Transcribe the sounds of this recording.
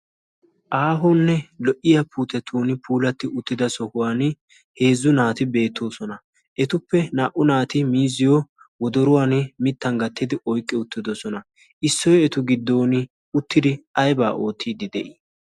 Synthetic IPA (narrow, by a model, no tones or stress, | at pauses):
ʔaːɦonːɛlɔʔɪjɐpʰuːt̪ɛt̪ʰuːnɪpʰuːlɐt̪ːɪʊt̪ːɪd̪ɐsɔhʊwaːn | he̞ːzːʊnaːt̪ɪbe̞ːt̪ʰːo̞ːsɔnɐ | ʔɛt̪ʊpːɛnaːʔʊnaːt̪ɪmiːzːɪjo | wɔd̪ɔɾʊwaːnmɪt̪ːɐŋɡɐt̪ʰːɪd̪ɪʔɔjkʼːɪʊt̪ːɪd̪ɔsɔnɐ | ʔɪsːɔjɔɛt̪ʊɡɪd̪ːo̞ːnɪ | ʊt̪ːɪd̪ɪɐjba̰ːʔo̞ːt̪ʰːiːd̪ɪd̪ɛʔɪ